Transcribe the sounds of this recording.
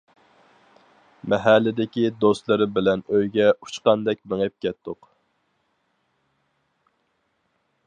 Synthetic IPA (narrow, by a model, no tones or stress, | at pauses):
mɛɦælːɪd̪ɪkʲid̪ost̪lˠɨɾɪbɪlɛnøjɡʲɛu̥t͡ʃqɑnd̪ɛkʲmeŋɛp̚kʲɛt̪ʰːʊq